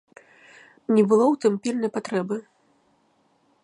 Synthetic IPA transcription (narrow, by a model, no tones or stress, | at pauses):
nʲɛbɨlˠɔwt̪ɨmpʲilʲnɐjpat̪ɾɛbɨ